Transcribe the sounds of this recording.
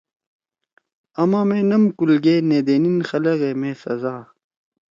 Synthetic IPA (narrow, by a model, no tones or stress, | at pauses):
ɐmãːmenɐmkulɡeːneːd̪eːninxɐlɐɣeːmẽːsɐzaː